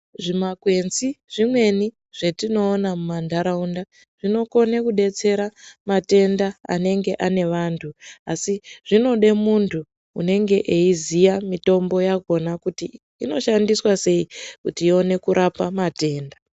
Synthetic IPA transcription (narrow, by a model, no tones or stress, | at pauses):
ʐimakwe̞nziʐ̥imwe̞ni | ʐ̥e̞tino̞ːnamumandaɾaunda | ʐ̥ino̞ko̞nekuɗe̞t͡se̞ɾamate̞ndaa̰ne̞ŋɡe̞ʔane̞ʋantʰuasiʐ̥ino̞ɗe̞muntʰṵː | ne̞ŋɡe̞ʔeizijamito̞mbo̞jaɡʱo̞nakutiː | no̞ʃandiswase̞ikutiio̞ne̞kuɾʔapamate̞ːnda